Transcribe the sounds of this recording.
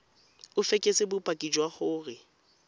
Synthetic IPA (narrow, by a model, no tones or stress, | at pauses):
ʊfekʼesɪbʊpʼakʼid͡ʒwaχʊːrɪ